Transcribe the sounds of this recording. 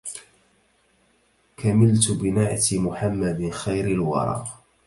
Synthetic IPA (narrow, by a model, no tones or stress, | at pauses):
kʰamɪlt̪bɪnaʕt̪mʊħamːad̪ɪnxajɾɪlwɑ̰ɾˤɑ̰ː